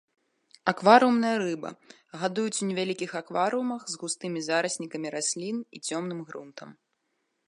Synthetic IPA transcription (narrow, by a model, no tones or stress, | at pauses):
akvaɾɨumnɐjɐɾɨbɐ̰ | ɣad̪ujut͡sʲunʲɛvʲalʲikʲixakvaɾɨumɐxzɣust̪ɨmʲizaɾɐsʲnʲikɐmʲiɾasʲlʲinḭt͡sʲɔmnɨmɣɾṵnt̪ɐm